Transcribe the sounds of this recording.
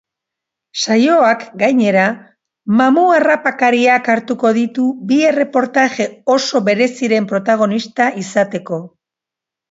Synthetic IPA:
sajo̞akɡajɲe̞ɾa | mamuarapakaɾiakaɾt̪uko̞ðit̪ubie̞re̞po̞ɾt̪aʝe̞o̞so̞βe̞ɾe̞siɾe̞mpɾo̞t̪aɣ̞o̞nist̪aʔisat̪e̞ko̞

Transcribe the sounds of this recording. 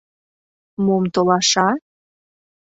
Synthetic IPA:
momt̪olɑʃɑ

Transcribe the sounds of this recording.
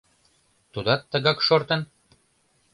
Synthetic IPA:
t̪ud̪ɑt̪ːə̆ɣɑkʃort̪ɤ̆n

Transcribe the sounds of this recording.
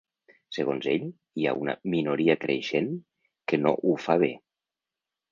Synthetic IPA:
səɣ̞onzeʎ | ia̰unə̰minuɾiəkɾʔḛʃen | kəno̰ʔufaβ̞e

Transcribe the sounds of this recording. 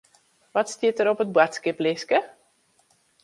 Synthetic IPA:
ʋɔtstiətəɾɔpət̚batskɪplɪskə

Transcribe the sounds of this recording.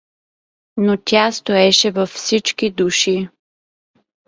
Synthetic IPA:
not̪ʲast̪oɛʃɛvɐfsit͡ʃkid̪uʃi

